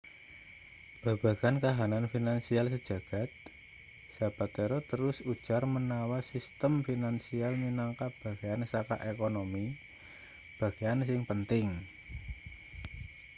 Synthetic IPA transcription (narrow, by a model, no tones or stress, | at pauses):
b̥a̤b̥a̤ɡ̥ankaɦananfinansials̬əd̥ʒ̥a̤ɡ̥a̤t̪̚ | sa̤b̥at̪eɾɔt̪əɾʊsud̥ʒ̥armənawasist̪əmfinansialminaŋkab̥ä̤ɡ̥eansaka̰ʔekonomi | b̥ä̤ɡ̥eansɪŋpənt̪ɪŋ